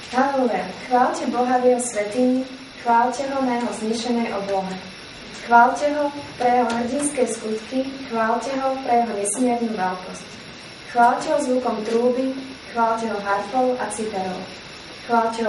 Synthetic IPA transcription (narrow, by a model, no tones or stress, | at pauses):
halɛʋɛxʋaːlcɛbɔɦadɪɛsʋɛt̪iɲi | xʋaːlcɛɦɔnajɛɦɔzɲiːʃɛnɛjʔɔblɔmɛ | xʋaːlcɛɦɔpɾɛjɛɦɔɦrɟinskɛjskut̪kixʋaːlcɛɦɔpɾɛjɛɦɔɲɛsmjɛɾɲuːʋɛlkɔsc | xʋaːlcɛɦɔzʋukɔmt̪ɾuːbi | xʋaːlcɛɦɔɦaɾfɔʊʔat͡sipɛɾɔ̰ʊ | xʋaːlcɛ